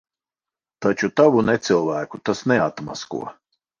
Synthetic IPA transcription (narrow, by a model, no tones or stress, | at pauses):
t̪at͡ʃut̪avunɛt̪sɨlˠvæːkut̪asnɛat̪ma̰skṵɔ